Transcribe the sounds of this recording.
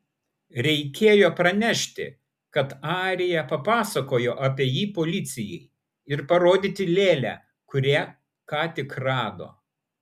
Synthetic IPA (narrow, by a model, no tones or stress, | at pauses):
ɾʲɛɪkʲeːjoːpɾɐnʲɛʃʲt̪ʲɪ̰ | kɐt̪ɑːɾʲɪjɛpɐpɑːsɐkoːjoːʔɑːpʲiɛjiːpoːlʲɪt̪sʲɪjɛɪ | ɪɾpɐɾoːd̪ʲiːt̪ʲɪlʲeːlʲæ̰ː | kʊɾʲeː | kɑːt̪ʲɪkɾɑːd̪o̰ː